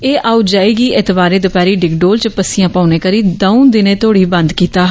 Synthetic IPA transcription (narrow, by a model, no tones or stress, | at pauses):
eːʔaːud͡ʒaːiːɡiːʔɪt̪baːɾeːd̪ʊpɛːɾiːɖɪkɖoːlt͡ʃpəsijãːpaːuneːkəɾiːd̪əũd̪ɪnẽːt̪ʰoːɽiːbə̃nd̪kiːt̪aː